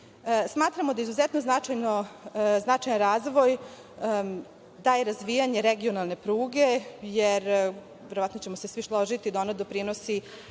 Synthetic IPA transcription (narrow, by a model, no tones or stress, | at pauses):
smaːt̪ɾamo̞d̪aizuzɛt̪no̞znat͡ʂajnoznat͡ʂajanɾaːzʋo̞j | d̪aːjeɾazʋijaɲe̞ɾeɡio̞nalˠne̞pɾuːɡe̞jeɾ | ʋʲeɾoat̪no̞t͡ɕe̞mose̞sʋiʃlˠoʒit̪id̪aonad̪opɾino̞si